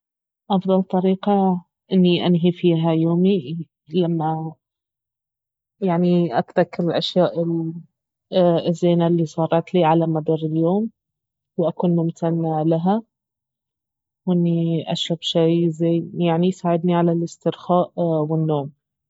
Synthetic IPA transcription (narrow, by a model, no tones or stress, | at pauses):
ʔɑfðˤɑlt̪ˤɑɾiːqɑ | ʔɪnːiʔanɦifiːɦajoːmi | lamːa | jaʕniʔak̪t̪akɪlɪlʔaʃjaːʔɪl | ɪzːeːnalːisˤɑːrˤɑt̪liːʕalamad̪ˤɑɾˤɪljoːm | wʔakuːnmʊmt̪ʰanːalaɦa | wʔɪnːiʔa̰ʃɾabʃajzeːjaʕnisaːʕɪd̪niʕalalɪst̪ɪɾxaːʔwɪnːoːm